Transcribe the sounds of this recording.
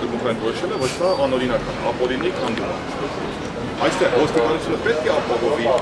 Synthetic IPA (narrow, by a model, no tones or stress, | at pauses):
əzuŋkʰɛnkɔɾɔʃɛlɛvɔɾsɑɑnɔɾinɑkɑnɑpɔlinikʰɑnd̪um | ɑjst̪ʰɛɦɔst̪it̪ɑnut͡sʰunəpɛt̪̚kʰɛɑpɑɦɔvi